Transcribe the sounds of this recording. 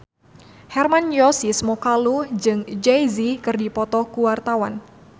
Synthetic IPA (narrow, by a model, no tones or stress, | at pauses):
hɛrmanjɔsisəmɔkaluhd͡ʒɨŋd͡ʒɛjzikɨrdipɔt̪ɔkuwart̪awan